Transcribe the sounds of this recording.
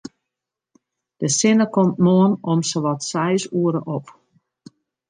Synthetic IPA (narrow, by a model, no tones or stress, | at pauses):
d̥əsɪnəkɔmtmoənɔmsəʋɔtsɛjsuəɾəʔɔp